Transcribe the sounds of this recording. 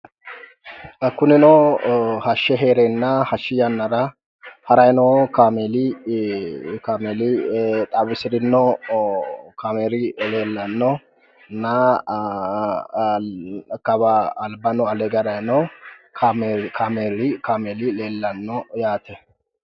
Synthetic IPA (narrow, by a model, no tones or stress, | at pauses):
kʊnɪnɔ | hɐʃːɛɦeːɾɛnːɐhɐʃːɪjɐnːɐɾɐ | hɐɾɐjnɔkaːmelɪ | kaːmeːlɪt̪ʼaːbɪsɪɾɪnːɔ | kaːmeːɾɪleːlːɐnːɔ | nɐ | kɐbɐːlbɐnɔɐlɛɡɛɾɐjnɔ | kʰameɾɪkaːmeːlɪleːlːɐnːɔjaːt̪ɛ